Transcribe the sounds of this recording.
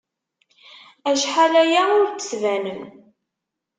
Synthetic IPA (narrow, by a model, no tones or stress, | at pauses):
æʃħalæjaʊɾt͡sːə̥svænəm